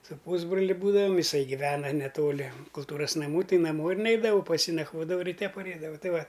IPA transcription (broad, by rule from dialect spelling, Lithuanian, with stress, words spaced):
sʊ ˈpuːzbroːlʲɪ ˈbuːdɐʋɐm jɪˈsɐɪ ɡʲɪˈʋʲæːnɐ nʲɛˈtoːlʲɪ kʊlˠˈtuːrɐs nɐˈmuː ˈtɐɪ nɐˈmoː ɪr ˈnʲɛɪdɐʋɐʊ pɐs ˈjiː nɐkˈʋoːdɐʋɐʊ rʲɪˈtʲɛ pɐˈrʲɛɪdɐʋɐʊ ˈtɐɪ ˈʋɐ